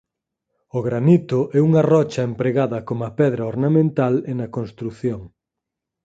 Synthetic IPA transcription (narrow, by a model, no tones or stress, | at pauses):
ʊɣɾanit̪ʊʔɛuŋɐrɔt͡ʃɐempɾeɣaðɐkomɐpɛðɾɐoɾnamẽnt̪alenɐkonst̪ɾuθjoŋ